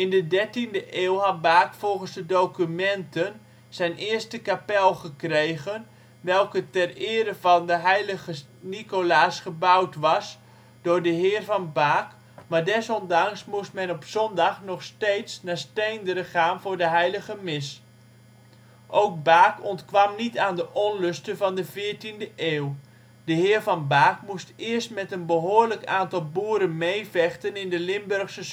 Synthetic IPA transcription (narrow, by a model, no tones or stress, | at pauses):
ɪndədɛɹtindəʔeːlˠɦɑt̚baːkfɔlˠχənzdədowkymɛntən | z̥ɛjnʔɪərstəkapɛlˠχəkrejɣən | ʋɛlˠkətɛrɪːɾəvɑndəɦɛjləɣə | nikolaːsχəbawtʋɑs | d̥ʊːrdəɦɪːrvɑnbaːk | maːrdɛsɔndɑŋsmustmɛnɔpsɔndɑχnɔχsteːtsnaːstejndəɾəχaːnvʊːɹdəɦɛjləɣəmɪs | ʔowk̚baːkɔntkʋɑmnitaːndəʔɔnlɵstəvɑndəvɪːɹtindəʔeːw | d̥əɦɪːrvɑnbaːkmustɪəɹstmɛtənbəɦoːərləkaːntɑlˠbuːɾənmejvɛχtənɪndəlɪmbørχsə